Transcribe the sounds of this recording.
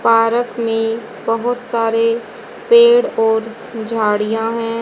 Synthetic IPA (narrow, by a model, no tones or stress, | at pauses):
paːɾəkmẽ | bəɦʊt̪saːɾe | peːɽɔːɾ | d͡ʒʱaːɽijãɦɛ̃ː